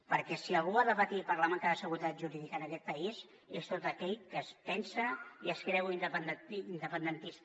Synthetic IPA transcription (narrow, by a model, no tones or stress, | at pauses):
pəɾkɛsiəlˠɣuaðəβət̪ipəɾlamaŋkaəsəɣuɾit̪at̪ʒuɾiðikənəkɛt̪̚pəiz | est̪ot̪əkɛʎkəspɛnsəiəskɾɛwind̪əpənd̪ind̪əpənd̪ənt̪is